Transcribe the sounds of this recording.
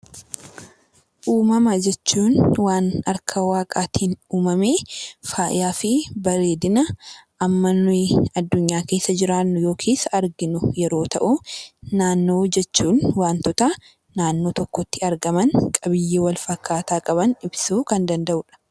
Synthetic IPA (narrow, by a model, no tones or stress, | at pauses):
ʔuːmɐmɐd͡ʒɛt͡ʃːuːnwaːnɐɾkʰɐwaːkʼaːt̪ʰiːnuːmɐmeːfaːʔɪ̰jaːfɪbɐɾe̞ːd̪ɪnɐʔɐmːɐnʊɐd̪ːʊɲːaːke̞ːsːɐd͡ʒɪɾaːnːʊjo̞ːkʰeːsɐɐɾɡɪnʊjɛɾo̞ːt̪ɐʔʊnaːnːo̞ːd͡ʒɛt͡ʃːuːnwaːnt̪ɔt̪ɐ | naːnːo̞ːt̪ɔkːɔt̪ːɪɐɾɡɐmɐŋkʼɐbɪjːeːwɐlfɐkʰːaːt̪aːkʼɐbɐnɪbsuːkɐnd̪ɐnd̪ɐʔʊᶑɐ̥